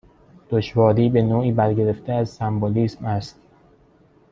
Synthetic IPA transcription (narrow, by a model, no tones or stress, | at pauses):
d̪̥oʃvɒːɾiːbe̞noːiːbæɾɟe̞ɾe̞ft̪ʰeæzsæmboliːsmæst̪